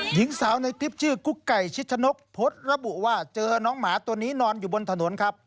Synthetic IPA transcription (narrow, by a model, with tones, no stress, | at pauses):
ji˨˦ŋsaː˩˦wna˧jt̪i˦˥p̚t͡ɕʰɯː˥˩ku˧˥˩kkːa˨˩jt͡ɕʰi˦˥t̪̚t͡ɕʰa˧no˦˥k̚pʰo˦˥t̪̚ɾa˧bu˨˩waː˧˥˩t͡ɕɤː˧nɔː˦˥ŋmaː˩˦˥t̪u˧əniː˦˥nɔː˧njuː˨˩bo˧nt̪ʰa˧no˨˩˦nkʰa˦˥p̚